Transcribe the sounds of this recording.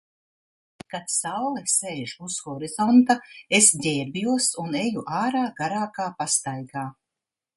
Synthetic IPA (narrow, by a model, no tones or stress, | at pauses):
kat̪sawlˠɛseːʒusxɔɾizɔnt̪aesdʲɛːɾbijuɔsunejuʔaːɾaːɡaɾaːkaːpast̪ajɡaː